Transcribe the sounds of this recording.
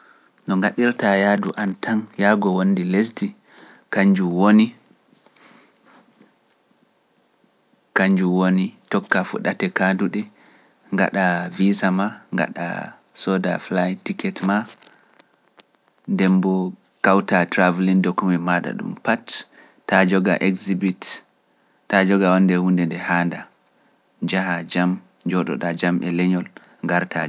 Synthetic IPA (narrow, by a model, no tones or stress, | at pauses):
ɗɔŋɡaɗiɾtajadṵʔantʰanjaɡɔwonːdiles̬di | kaɲd͡ʒuwoni | kaɲd͡ʒuwonitɔkːafuɗatɛkaduɗɛ | ŋɡa̰ɗavisamaŋɡa̰ɗa̰ | sɔda̰flajtikɛtma | ndɛmbɔ | kawtatɾavlindokːumimaɗa̰ɗṵmpatː | ad͡ʒɔɡaʔɛkzibitː | ad͡ʒɔɡawɔndɛhundɛndɛhanda | d͡ʒahad͡ʒam | d͡ʒɔɗɔ̰ɗad͡ʒamʔɛ̰lɛɲɔl | ŋɡaɾtʰa̰